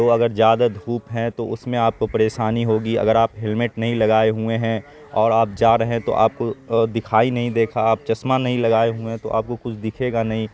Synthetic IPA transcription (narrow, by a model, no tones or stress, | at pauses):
d͡ʒoːɐɡəɾzjaːd̪ad̪ʱuːpɦɛ̃t̪oʊsmẽaːp̚kopɐɾeːʃaːniɦoːɡiɐ̰ɡəɾaːpɦɪlmɪʈnɐɦĩlɐɡaːeɦueɦɛ̃ | ɔːɾaːpd͡ʒaːɾɐɦẽt̪o̰ʔa̰ːp̚kod̪ɪkʰaːinɐɦĩd̪eːkʰaaːp̚t͡ʃɐsmanɐɦĩlɐɡaːeɦuẽt̪o̰ʔa̰ːp̚kokʊt͡ʃʰd̪ɪkʰeːɡanɐɦĩ